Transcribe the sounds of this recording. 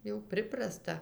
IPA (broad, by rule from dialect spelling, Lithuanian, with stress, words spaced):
jɛʊ ˈpʲrʲɪprɐstɐ